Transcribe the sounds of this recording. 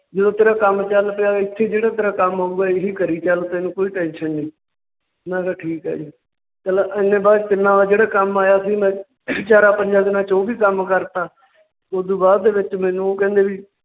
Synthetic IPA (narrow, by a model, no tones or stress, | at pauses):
d͡ʒəd̪õːt̪eːɾaːkəmt͡ʃəlpɪjaːɪt̪ʰːeːd͡ʒeːɽaːt̪eːɾaːkəmaːuːɡaːɪɦiːkəɾiːt͡ʃəlt̪eːnũːkoːiːʈɛ̃ːnʃənːĩː | nãːkaʈʰiːkɦɛ̰ːd͡ʒiː | t̪əlaɪnːẽːbaːd̪t̪ɪnːãːʋaːd͡ʒeːɽaːkəmaːjaːsiːmɛ̃ː | t͡ʃaːɾaːpəɲd͡ʒãːd̪ɪnaːt͡ʃoːbiːkəmkəɾt̪aː | od̪uːbaːd̪d̪eːʋɪt͡ʃmɛ̃ːnũːoːkɛ̃ːnd̪eːʋiː